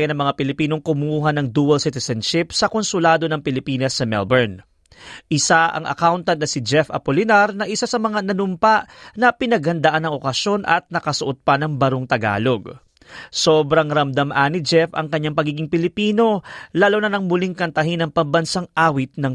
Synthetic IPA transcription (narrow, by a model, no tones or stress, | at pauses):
jɐnɐŋmɐŋapɪlɪpiːno̞ŋkʊmuːɦɐnɐŋd̪uːɐlsɪt̪ɛsɐnʃɪp̚sɐko̞nsʊlaːd̪o̞nɐŋpɪlɪpiːnɐsːɐmɛ̰lbɛɹn | ʔɪsaʔɐ̰ŋʔɐ̰kawnt̪ɐd̪nɐsɪd͡ʒɛfɐ̰polɪnaɾnɐʔɪsasɐmɐŋanɐnʊmpaʔnɐpɪnɐɡhɐnd̪ɐʔanːɐŋʔo̞kɐsjo̞nʔɐ̰t̪̚nɐkɐsʊʔot̪̚pɐnɐŋbɐɾoŋt̪ɐɡa̰ːlo̞ɡ | so̞ːbɾɐŋɾɐmd̪amʔaːnid͡ʒɛfɐ̰ŋkɐɲːaŋpɐɡiːɡɪŋpɪlɪpiːno̞laːlonɐnɐŋmʊliŋkɐnt̪ɐɦɪnɐŋpɐmbɐnsaŋʔaːwɪt̪̚nɐŋ